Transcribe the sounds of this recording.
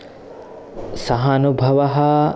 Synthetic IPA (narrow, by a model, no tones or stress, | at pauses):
sɐɦanubʱɐʋɐɦɐ